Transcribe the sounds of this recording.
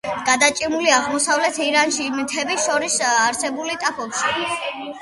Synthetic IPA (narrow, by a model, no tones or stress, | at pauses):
ɡ̥ad̪at͡ʃʼimuliaʁmɔsavlɛt̪ʰiɾanʃimt̪ʰɛbiʃɔɾisaɾsɛbulit̪ʼapʰɔbʃi